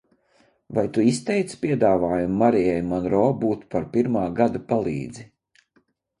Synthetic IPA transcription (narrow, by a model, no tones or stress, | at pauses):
vajt̪uist̪ɛjt̪spʲiɛd̪aːvaːjumːaɾijɛjmanɾɔːbuːt̪paɾpiɾmaːɡad̪apalˠḭːd̪zi